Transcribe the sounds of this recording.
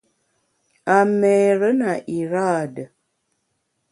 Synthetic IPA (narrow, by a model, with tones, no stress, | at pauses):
a˨mɛː˨ɾə˦na˨ʔi˨ɾa˦˨də˨